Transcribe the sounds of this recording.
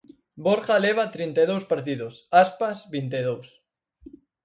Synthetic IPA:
boɾχaleβ̞at̪ɾint̪eðowspaɾt̪iðosaspazβint̪eðows

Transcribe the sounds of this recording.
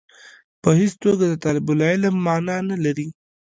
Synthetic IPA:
pəɦist̪oɡad̪ət̪ɑlɪbʊlɑɪlamːɑnɑnalaɾi

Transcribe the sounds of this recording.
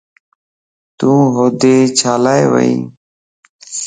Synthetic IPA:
t̪ũːɦoːd̪eːt͡ʃʰaːlaːḛːʋə̰ḭ̃ː

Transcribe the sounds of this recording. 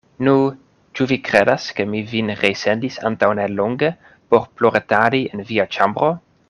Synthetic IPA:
nu | t͡ʃuvikɾedaskemivinɾejsendisa̰ntawneloŋɡe | poɾploɾetaɾienviat͡ʃambɾo

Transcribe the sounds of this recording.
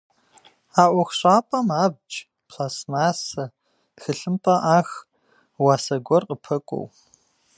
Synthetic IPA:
aːʔʷɔxʷɕʷʼaːpʼɐmaːb̚t͡ʃʼ | pʰlaːsmaːsɐ | xɨɬɨmpʼɐʔaːx | waːsɐɡʷɔrqʼəpʰɐkʷʼɔ̰w

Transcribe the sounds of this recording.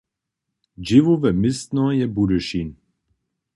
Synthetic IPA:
d͡ʒivuvɛmɪst̪nɔjɛbudəʃin

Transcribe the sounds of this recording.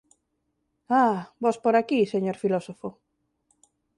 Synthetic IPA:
abɔspoɾakiseɲoɾfilɔsofo

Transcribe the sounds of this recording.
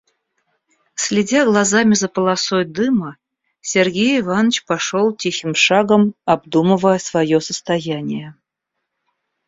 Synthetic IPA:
sʲlʲɪdʲaɡlˠɐzamʲɪzəpəlˠɐsojd̪ɨmə | sʲerɡʲejɪvanət͡ɕpɐʂolˠtʲixʲɪmʂaɡəmɐbd̪umɨvəjəsvɐjosəst̪ɐjænʲɪjə

